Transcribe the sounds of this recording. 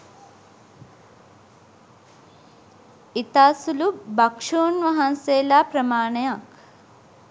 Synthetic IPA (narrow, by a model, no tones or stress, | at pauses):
it̪aːsulubɐkʂuːnʋɐɦɐnseːlaːpɾɐmaːɳejak